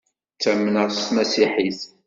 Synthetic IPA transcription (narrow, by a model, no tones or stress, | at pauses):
t͡sːæmːnəʁst̪mæsiħiθ